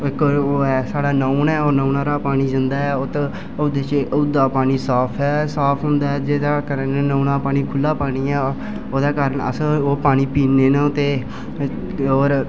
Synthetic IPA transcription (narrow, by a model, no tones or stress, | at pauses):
ɪkːɛːsaːɽaːnəũnɛːoːnəːnaːɾaːpaːñiːd͡ʒənd̪aːɛːot̪ː | ʊd̪eːt͡ʃʊd̪aːpaːniːsaːpʰɛːsaːpʰɦʊ̃nd̪aːɛd͡ʒeːd̪aːkəɾənnəʊnaːpaːñiːkʰʊlːaːpaːɽiːɛː | oːd̪aːkaːɾəɳə̰sãːoːpaːñiːpiːneːnõt̪eː | oːɾ